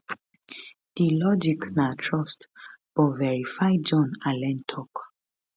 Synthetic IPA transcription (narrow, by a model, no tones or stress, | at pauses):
d̥ilɔd͡ʒiknatʰɹɔstb̥ɔvɛɹifajd͡ʒɔ̃nalɛ̃ntʰɔk